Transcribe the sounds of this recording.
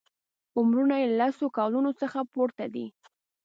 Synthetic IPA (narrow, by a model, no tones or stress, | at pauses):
ʊmɾunajealasokɑlunosəxapoɾt̪ad̪ḭ